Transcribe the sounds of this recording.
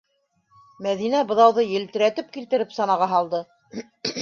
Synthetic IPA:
mæðinæbɤ̆ðɑwðɤjɘ̆lt̪ɘ̆ɾæt̪ɘp̚kilt̪ɘ̆ɾɘpsɑnɑʁɑɦɑlˠd̪ɤ

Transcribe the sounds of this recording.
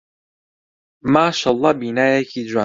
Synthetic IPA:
maːʃaːlˤːɑːbiːnaːjekʰiːd͡ʒwaː

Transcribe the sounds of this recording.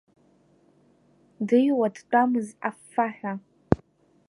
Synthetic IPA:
dɨjwadt͡pʷʼamɨzafːaħᶣa

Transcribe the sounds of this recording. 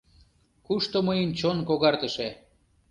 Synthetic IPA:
kuʃt̪oməjənt͡ɕonkoɣɑrt̪əʃe

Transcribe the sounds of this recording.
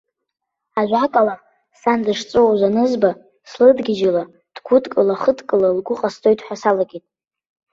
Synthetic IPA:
aʒᶣʷakʼala | sandɨʂt͡sʼɨwaʒʷanɨzba | slɨdɡʲɪd͡ʒala | d̥ɡʷʰʊdkʼɨlaχədʰkʼɨlalɡʷʊqʼastʰʼo̞jtʼħʷasalaɡʲitʼ

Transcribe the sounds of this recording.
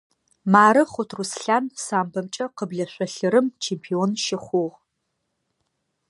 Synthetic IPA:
maːɾɨχʷʊtʰrusɬaːnsaːmbɐmt͡ʃʼɐqəbɮɐɕʷɔɬɨɾɨmt͡ʃʰeːmpʰionʃɪχʷʊʁ

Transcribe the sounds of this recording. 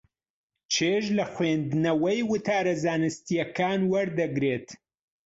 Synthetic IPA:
t͡ʃʰeːʒlɐxweːnd̪ɨnɐwɐjwɨt̪ʰaːɾɐzaːnɨst̪ijɐkaːnwɐɾd̪ɐɡɾeːt̪

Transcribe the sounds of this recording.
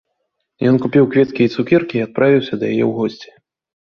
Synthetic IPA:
jɔnkupʲiwkvʲɛt̪kʲiit̪sukʲirkʲiːat̪̚pɾʔavʲiwsʲɐd̪ɐja̰jɛ̰wɣɔsʲt͡sʲɛ̥

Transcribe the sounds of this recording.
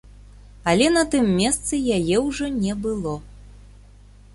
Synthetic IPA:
ɐlʲɛnɐt̪ɨmːʲɛst̪sɨjajɛwʐɔnʲɛbɨlˠɔ

